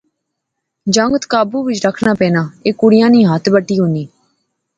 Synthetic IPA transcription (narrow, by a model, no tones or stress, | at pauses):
d͡ʒəŋɡt̪kaːbuːʋɪt͡ʃɾəkʰnaːpɛ̃ːnaːeːkʊɽɪjãːnĩːɦət̪ʰbəʈːiːɦʊ̃nd̪iː